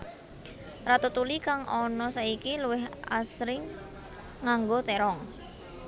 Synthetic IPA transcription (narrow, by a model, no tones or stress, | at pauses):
rat̪ut̪ulikaŋʔɔnɔsaikiluwɪɦa̰sɾɪŋː | aŋɡot̪ɛɾɔŋ